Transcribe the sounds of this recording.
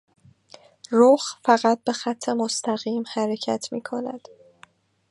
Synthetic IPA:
ɾoxfæɣæt̪̚be̞xæt̪ʰːe̞most̪ʰæɣiːmhæɾe̞cʰæ̰t̪ʰmḭːkʰonæ̰d̪̥

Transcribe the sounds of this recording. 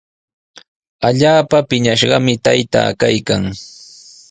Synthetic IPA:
aʎaːpapɪɲaʃɢɑmɪt̪ajt̪a̰ːkajkaŋ

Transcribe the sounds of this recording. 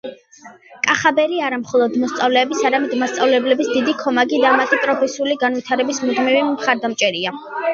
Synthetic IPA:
kʼaχabɛɾiaɾamχɔlˠɔd̪mɔst̪sʼavlɛːbisaɾamɛd̪mast̪sʼavlɛblɛbisd̪id̪ikʰɔmaɡid̪amat̪ʼipʼɾɔpʰɛsiuliɡanvit̪ʰaɾɛbismiʁmivimχaɾd̪amt͡ʃʼɛɾia

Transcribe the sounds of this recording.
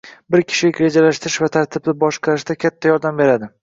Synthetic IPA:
bɪɾkʲʰɪ̥ʃɪɪkʲɾe̞d͡ʒalaʃt̪ɪɾɪʃvat̪ʰaɾt̪ʰɪbd̪ɪbɒʃqʰɑɾɪʃd̪akʲʰat̪ʰːajɒɾd̪ambe̞ɾad̪ɪ

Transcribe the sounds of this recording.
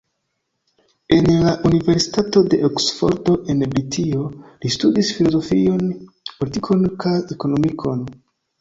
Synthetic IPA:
e̞nlaʔunive̞ɾsi̥tato̞de̞ʔoksfo̞̰ɾto̞ʔe̞nbɾitʰio̞listudisfilo̞zo̞fio̞n | politikʰo̞nkʰajeko̞no̞mikʰo̞n

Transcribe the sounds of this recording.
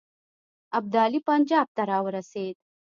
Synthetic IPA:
ab̚d̪ɑlipand͡ʒɑb̚t̪aɾɑwəɾased̪̥

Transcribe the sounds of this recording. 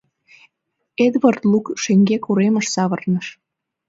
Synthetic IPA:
ed̪βərt̪lukʃeŋɡekuɾemə̆ʃsɑβə̆rnəʃ

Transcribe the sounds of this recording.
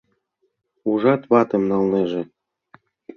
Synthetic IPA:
uʒɑt̪βɑt̪ĕmnɑlneʒĕ

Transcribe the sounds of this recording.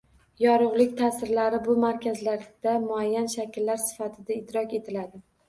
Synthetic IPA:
jɒɾʊʁlˠɪkʲt̪ʰasɪɾlaɾɪbʊmaɾkʲʰazlaɾd̪̥amʊajːanʃakʲɪlːaɾsɪ̥fat̪ʰɪd̪aɪt̪ɾɒkʲe̞t̪ʰɪlad̪ɪ

